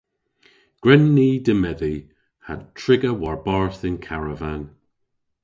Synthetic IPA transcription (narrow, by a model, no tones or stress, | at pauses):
ɡ̥ɹɛnːiːdəmɛði | ha̰tʰɹ̥ɪɡəwaɹbaɹθɪnkʰaɹəvan